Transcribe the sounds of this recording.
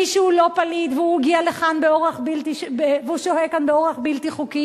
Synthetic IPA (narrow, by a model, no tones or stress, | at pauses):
iʃuulo̞palid̪veuɡialeχanbeoʁeχbilt̪iʃbeveuʃoɦekanbeo̞ʁeχbilt̪iχuki